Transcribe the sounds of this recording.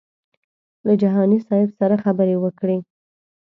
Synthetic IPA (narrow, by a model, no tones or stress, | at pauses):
lad͡ʒaɦɑnisɑɪbsaɾaxabəɾewəkɽe